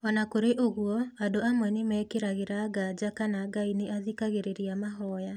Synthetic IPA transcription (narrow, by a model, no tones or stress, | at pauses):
ɔnakoɾeʔoɣwɔadoamwɛnemɛːkeɾaɣeɾaɡad͡ʒakanaɡaineʔaðikaɣeɾeɾiamaɦɔja